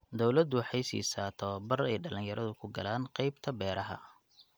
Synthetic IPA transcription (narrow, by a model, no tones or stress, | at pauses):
d̪ɔwlɐd̪ʊħɑjsḭːsaːt̪ʰɔːbɐrɛjɖɐlɪnjɐɾʔɐðʊkʰʊɡɐ̰laːnqɑjbt̪ʰɐbɛːɾʔɐɦɐ̰